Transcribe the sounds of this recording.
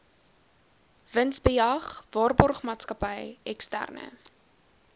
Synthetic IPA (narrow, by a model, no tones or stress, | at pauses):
vənsbəjɐχvɑːrbɔrχmɑːtskɐpəjɛkstæ̰rnə̰